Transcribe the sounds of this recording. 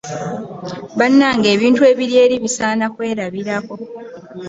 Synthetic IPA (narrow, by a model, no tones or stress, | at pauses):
βanːaːŋɡe̞ːβiːntue̞ːβiɾje̞ːɾiβisaːnakwe̞ːɾaβiɾako̞